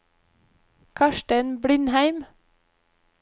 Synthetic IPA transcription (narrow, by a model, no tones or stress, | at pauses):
kʰɑʃʈənbɽɪnhæɪm